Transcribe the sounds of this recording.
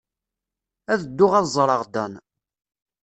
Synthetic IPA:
æðəd̪ːʊʁæðzˤɾˤɑʁd̪æn

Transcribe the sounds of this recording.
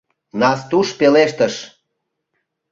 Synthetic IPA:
nɑst̪uʃpeleʃt̪əʃ

